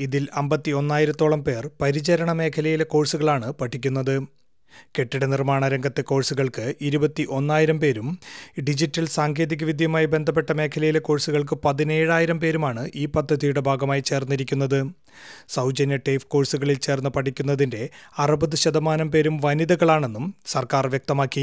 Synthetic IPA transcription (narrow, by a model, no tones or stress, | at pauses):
iðilɐmbɐt̪ːio̞nːaːjiɾɐt̪ːoːɭɐmpe̞ːrpɐɾid͡ʑɐɾɐɳɐme̞ːkʰɐlɐjile̞ko̞ːɻsuɣɐɭaːɳɨpɐʈʰːikʲːunːɐðɨ | ke̞ʈːiɽenirmaːɳɐɾɐŋɡɐt̪ːeko̞ːɻsuɣɐɭkɨʔiɾubɐt̪ːiʔo̞nːaːjiɾɐmpe̞ːɾumɖid͡ʑitːɐlsaːŋɡʰʱe̞ːðiɣɐʋid̪ʱjɐmaːjibe̞nd̪ʱɐpːe̞ʈːɐme̞ːkʰɐlɐjileko̞ːɻsuɣɐɭk̬ɨpɐðine̞ːɻaːjiɾɐmpe̞ːɾumaːɳɨʔiːpɐd̪ʱːɐðijuɽe̞bʱaːɡɐmaːjit͡ɕe̞ːrnːiɾikʲːun̪ːɐðɨ | sɐwd͡ʑɐnjɐʈeːfko̞ːɻsuɣɐɭilt͡ɕe̞ːrnːɨpɐʈʰikʲːunːɐðinde̞ɐrɨbɐðɨɕɐd̪ɐmaːnɐmpe̞ːɾumʋɐniðɐɣɐɭaːɳe̞nːumsɐrkaːrʋjɐk̚t̪ɐmaːkːi